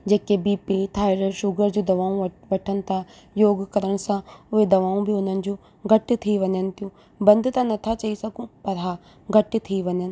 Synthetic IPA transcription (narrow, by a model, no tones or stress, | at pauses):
d͡ʑeːkebiːpeːt̪ʰaːɪɾəɾʃʊɡəɾd͡ʑũːd̪ɐʋaːũʋɐʈʰənɪ̆t̪ʰã | joːɡkəɾəɽ̃sãʊɦed̪ɐʋaːũbʱiʊn̤ənɪ̆d͡ʑũː | ɡʱɐʈt̪ʰiʋɐɲənɪ̆t̪ijũː | bɐ̃nd̪ʱt̪ãnɐt̪ʰat͡ɕɐisɐɡũpɐɾaː | ɡʱɐʈt̪ʰiʋɐɲənɪ̆